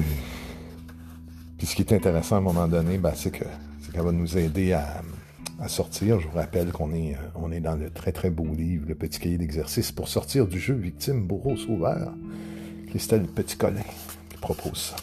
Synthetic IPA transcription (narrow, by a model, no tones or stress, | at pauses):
pisə̥kʲiɛt̪ɛ̃t̪eʁɛsɑ̃əmɔmɑ̃d̪ɔnebɛsɛkʰə | sɛkavanuzɛːd̪ea | asɔʁt̪iːʁʒəvuʁapɛlkɔ̃nɛəɔ̃nɛd̪ɑ̃lət̪χɛt̪χɛboliːvləpət̪i̥kʲajed̪ɛɡzɛʁsispʊʁsɔʁt̪iːʁd̪yʒøvik̚t̪ɪmbuʁosoːvœ̰ːʁ | kχist̪ɛlpət̪i̥kɔlɛ̃ | kʲi̥pχɔpʰo̰ːz̥sḁ